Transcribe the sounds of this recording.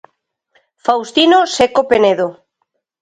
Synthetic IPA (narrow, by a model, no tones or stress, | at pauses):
fawst̪inosekopeneðo